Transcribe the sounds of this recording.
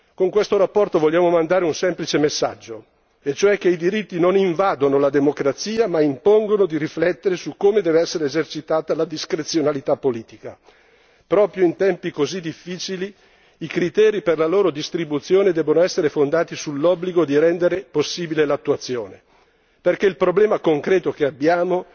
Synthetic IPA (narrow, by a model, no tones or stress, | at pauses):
koŋkwest̪oɾapːɔrt̪ovoʎːaːmomand̪aːɾeunsɛmplit͡ʃemesːa̰d͡ʒːo | et͡ʃoɛk̟ːeid̪iɾit̪ːinoniɱvaːd̪onolad̪emokɾat̪siːamaimpoŋɡonod̪iɾiflɛt̪ːeɾesukːoːmed̪ɛːveɛsːeɾezert͡ʃit̪aːt̪alad̪iskɾet̪sːjonalit̪apːoliːt̪ika | pɾɔːpɾjoint̪ɛmpikozid̪ifːiːt͡ʃiliː | kɾit̪ɛːɾiperlaloːɾod̪ist̪ɾibut̪sjoːned̪ɛːbonoɛsːeɾefond̪aːt̪isulːɔbliɡod̪iɾɛnd̪eɾeposːiːbilelat̪ːuat̪sːjoːne | perkeilpɾoblɛːmakoŋkɾɛːt̪ok̟eabːjaːmo